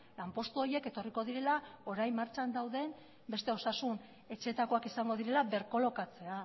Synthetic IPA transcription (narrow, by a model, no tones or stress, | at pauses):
lampo̞st̪uo̞je̞ke̞t̪o̞riko̞ð̞iɾe̞lao̞ɾajmːaɾt͡ʃand̪awðe̞m | be̞st̪e̞o̞sasun | e̞t͡ʃe̞ːt̪ako̞akisaŋɡo̞ð̞iɾe̞laβe̞ɾko̞lo̞kat͡se̞a